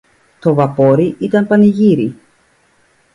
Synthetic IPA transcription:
t̪o̞vɐpo̞ɾiʔit̪ɐnpɐniʝiɾi

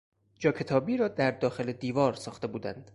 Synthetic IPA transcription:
d͡ʒɒːkʰe̞t̪ʰɒːbiːɾɒːd̪æɾd̪ɒːxe̞led̪iːvɒːɾsɒːxt̪e̞buːd̪ænd̪̥

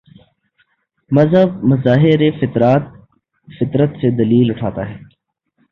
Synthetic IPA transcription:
mɐzɦəb̚mɐzaːɦɪɾefɪt̪ɾaːt̪̚ | fɪt̪ɾət̪sed̪ɐliːlʊʈʰa̰ːt̪aɦɛː

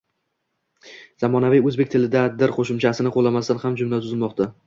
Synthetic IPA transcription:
zamɒnaviɵzbe̞k̚ʲt̪ʰɪlɪd̪ad̪ɪɾqʰoʃɪmt͡ʃʰasɪnɪqʰolˠamast̪anhamd͡ʒʊmlat̪ʰʊzɪlmɒqt̪ʰa

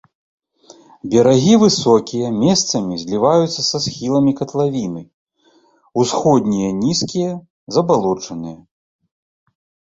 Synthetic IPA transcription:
bʲɛɾaɣʲivɨsɔkʲijɐmʲɛst̪sɐmʲizʲlʲivajut̪sːɐsasxʲilˠɐmʲikɐt̪lˠavʲinɨ | usxɔd̪ʲnʲijɐnʲiskʲijɐ | zɐbalˠɔt͡ʂɐnɨjɐ

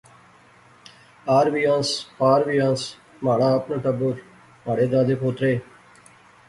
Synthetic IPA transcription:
aːɾʋiːãːnspaːɾʋiːãːns | maːɽãːəpnõːʈəbʊɾ | maːɽeːd̪aːd̪eːpʰoːt̪ɾeː

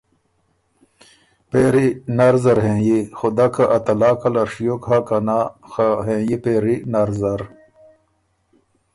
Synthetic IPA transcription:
peːɾinaɾzɐɾɦẽːjixud̪akaʔɐt̪ɐlaːkɐlɐɾʂijokɦakɐnaxaɦẽːjipeːɾinɐɾzɐɾ

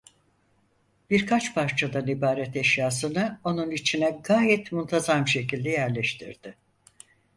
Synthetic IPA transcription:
b̥iɾkʰat͡ʃpʰaɾt͡ʃʰad̪anibaːɾɛt̪ɛʃjaːsɯnɯo̞nunit͡ʃʰinɛɡaːjɛt̪munt̪ʰazamʃe̞cilʲd̪ɛjæɾlʲɛʃt̪ʰḭɾd̪̥ɪ

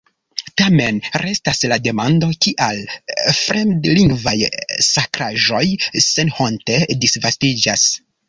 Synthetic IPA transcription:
tame̞nɾʔe̞staslade̞mando̞kiʔalfɾendliŋɡvajsakɾaʒo̞jse̞nhonte̞disvastid͡ʒas

